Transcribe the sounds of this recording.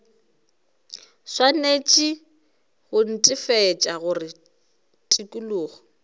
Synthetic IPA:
swanet͡ʃʼɪ | ɣʊn̩tʼɪfɛːt͡ʃʼaɣʊrɪ | tʼikʼulʊːɣɔ

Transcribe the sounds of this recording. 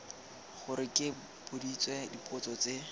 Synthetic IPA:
χʊɾɪkʼɪ | b̥ʊdit͡swɛdipʼʊt͡sɔt͡se

